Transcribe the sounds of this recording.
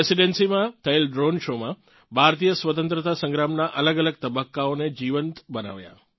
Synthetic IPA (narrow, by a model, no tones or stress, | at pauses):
esiɖensimãt̪ʰəelɖɾonʃomã | bʱaɾt̪ijəsʋət̪ənt̪ɾət̪asə̃ŋɡɾamnaʔələɡələɡ̚t̪əbəkːaoned͡ʒiʋənt̪bəna̰ʋja̰